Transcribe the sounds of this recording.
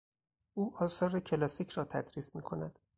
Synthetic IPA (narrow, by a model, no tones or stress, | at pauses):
ʔuːʔɒːsɒːɾecʰe̞lɒːsiːcʰɾɒːt̪ʰæd̪̥ɾiːsmiːkʰo̞næd̪̥